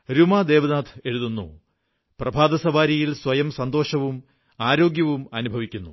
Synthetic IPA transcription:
ɾumaːd̪e̞ːʋɐnaːt̪ʰe̞ɻuðunːṵ | prɐbʱaːd̪ɐsɐʋaːɾijilswɐjɐmsɐnd̪o̞ːʂɐʋum | aːɾo̞ːɡjɐʋumɐnubʱɐʋikʲːunːṵ

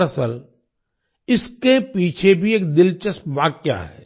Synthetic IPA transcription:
əsəl | ɪskepiːt͡ʃʰebʱieːk̚d̪ɪlt͡ʃəsʋaːkja̰ɦɛ̰ː

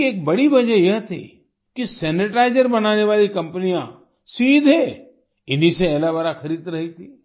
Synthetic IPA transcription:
eːk̚bɐɽiʋɐd͡ʒəjɐɦt̪ʰḭ | kisɛːnɪʈaːɪd͡ʒəɾbɐnaːneʋaːlikɐ̃mpənijã | siːd̪ʱe | ɪniseɛːlabɐɾaxɐɾiːd̪ɾɐɦit̪ʰiː

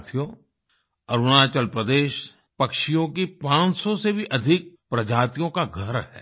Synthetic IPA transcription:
t̪ʰijõ | ɐɾʊnaːt͡ʃəlpɾəd̪eːʃ | pɐkʃijõkipãːt͡ʃsɔsebʱiʔɐd̪ʱɪk̚pɾɐd͡ʒaːt̪ijõkaɡʱɐɾɦɛ̰ː

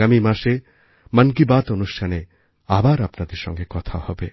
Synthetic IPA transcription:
amimaʃe | mankibat̪onusʈʰane | abaɾapnad̪eɾʃɔ̰ŋɡekɔt̪ʰahɔbe

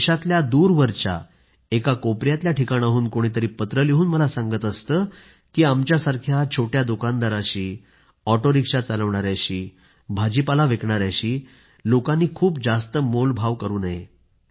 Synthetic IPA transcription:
ʂɕat̪ljad̪uːɾʋəɾt͡ɕa̰ | ekakopɾjat̪ljaʈikaɽ̃aɦuːnkoɽ̃iːt̪̬əɾiːpət̪ɾəliɦuːnməlasaŋɡət̪əst̪əː | kiːamt͡ɕjasaɾkʰjat͡ɕʰoʈjad̪ukand̪aɾaɕiː | ɔʈoɾikʂat͡saləʋɳaɾjaɕiː | bʱad͡ʑipalaʋekɳaɾjaɕiː | lokãnːiːkʰuːpd͡zast̪əmolbʱaʋkəɾuːnaɦe

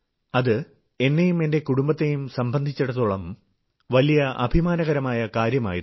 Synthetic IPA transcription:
ɐðɨ | e̞nːejume̞nde̞kuɽumbɐt̪ːejumsɐmbʱɐnd̪ʱit͡ɕːeɽɐðuɭɐm | ʋɐlijɐʔɐ̰bʱimaːnɐɣɐɾɐmaːjɐkaːɾjɐma̰ːjiɾ

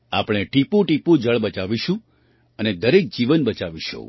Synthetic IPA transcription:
a̰pəɽ̃eʈipũʈipũd͡ʒəɭbət͡ʃaʋiʃũ | əned̪əɾek̚d͡ʒiʋənbət͡ʃaʋiʃõ̰

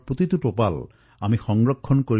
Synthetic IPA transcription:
pot̪it̪upopal | amixɔŋɹɔkʰːɔnkoɹ

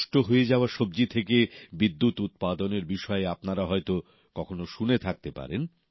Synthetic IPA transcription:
ʃʈoɦoed͡ʑaoaʃobd͡ʑit̪ʰekebid̪ːut̪ut̪̚pad̪oneɾbiʃɔeapnaɾaɦɔet̪o | kɔkʰonoʃunet̪ʰak̚t̪epa̰ɾen

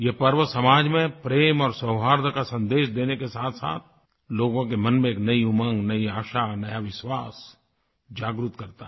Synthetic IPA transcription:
jepɐɾʋəsɐmaːd͡ʒmẽpɾeːmɔːɾsəɦɦaːɾd̪ʱəkasɐ̃nd̪eːʃd̪eːnekesaːt̪ʰsa̰ːt̪̚ʰ | loːɡõkemɐnmẽeːknɐiʊmə̃ŋɡnɐiaːʃanɐjaʋɪʃwaːs | d͡ʒaːɡɾut̪kɐɾt̪aɦ

